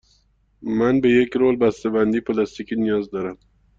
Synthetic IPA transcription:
mænbejekɾoːlbæst̪ebænd̪iːpʰlɑst̪ikʰiːnijɒːzd̪ɒːɾæm

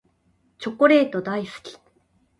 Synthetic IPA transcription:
t͡ɕo̞ko̞ɾe̞ːt̪o̞d̪aisɨ̥kʲi̥

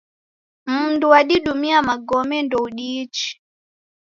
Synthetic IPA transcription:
m̩nduaɗiɗumiamaɡɔmɛndɔuɗit͡ʃi̥

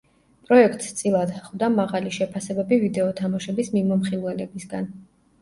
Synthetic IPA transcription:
pʼɾɔɛk̚ʰt̪ʼst̪sʼilˠad̪χvd̪amaʁaliʃɛpʰasɛbɛbivid̪ɛɔt̪ʰamaʃɛbismimɔmχilˠwɛlɛbisɡan

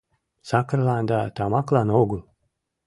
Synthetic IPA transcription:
sakɾlˠand̪at̪aːmaklˠaːnɔwɡu

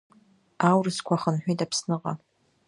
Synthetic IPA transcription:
awrɨskʷʰaχənħʷᶣijtapʰsnɨʁa

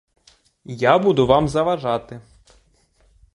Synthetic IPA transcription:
jabud̪ʊʋɑmzɐʋɐʒɑt̪ɪ

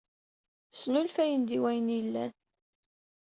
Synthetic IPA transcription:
snulfæjənd̪iwæjənilːæn

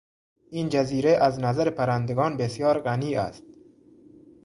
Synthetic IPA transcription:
iːnd͡ʒæziːɾeʔæznazaɾepʰæɾænd̪eɡɒːnbesjɒːɾɢaniːæ̰st̪̚

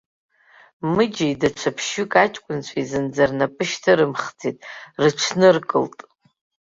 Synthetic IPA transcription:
mɨd͡ʒaidaʈ͡ʂʷʰapʰʃʊkʼat͡ʃʼkʷʼʊnt͡ɕʷʰaizɨnd͡zarnapʼɨʃtʰaɾɨmχt͡sʰitʼrɨʈ͡ʂʷʰnɨrkʼɨ̰ltʼ

